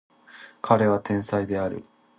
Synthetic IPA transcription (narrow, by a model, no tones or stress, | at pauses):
kʰaɾe̞βat̪ẽ̞ɰ̃said̪e̞aɾɯ̟̰